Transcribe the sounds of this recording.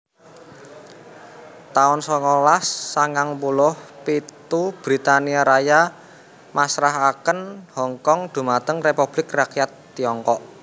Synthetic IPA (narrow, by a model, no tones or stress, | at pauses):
t̪aʊnsɔŋɔlasːaŋaŋpulʊhpit̪ub̥ɾit̪aniaɾaja | masɾaɦakənhɔŋkɔŋd̪̥ṳmat̪əŋrepub̥lɪkrakjat̪ːiɔŋkɔʔ